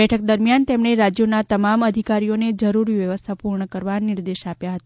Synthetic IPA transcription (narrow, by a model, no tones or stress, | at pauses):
ɛʈʰək̚d̪əɾmjant̪emɳ̃eɾad͡ʒjonat̪əmaməd̪ʱikaɾijoned͡ʒəɾuɾiʋjəʋəst̪ʰapuɾɳəkəɾʋanɪɾd̪eʃapjaɦət̪a